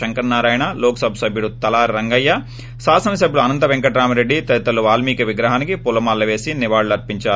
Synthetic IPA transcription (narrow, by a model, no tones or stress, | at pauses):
ɐŋkɐɾnːaːɾaːjɐɳɐloːkɐsɐbʱɐsɐbʱjuɽut̪ɐlaːɾɾɐŋɡɐjːɐ | saːsɐnɐsɐbʱjuɽuɐnɐnt̪ɐʋeŋkɐʈɾaːmɐɾeɖːit̪ɐit̪ɐlːuʋaːlmiːkɐʋiɡɾɐɦaːnikipulːɐmaːlːɐʋe̞ːsiniʋaːɭɐɾpiɲt͡ʃaːɾu